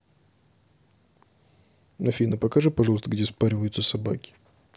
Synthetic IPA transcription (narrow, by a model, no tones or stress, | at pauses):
nɐfʲinəpɐkaʐɨpɐʐɑlˠəst̪əɡdʲespaɾʲɪvəjʊt̪səsɐba̰kʲɪ̥